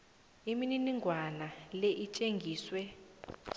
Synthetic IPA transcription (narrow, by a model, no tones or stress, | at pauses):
imininiŋɡʱwanalɛʔit͡ʃʼeŋɡʱiːswɛ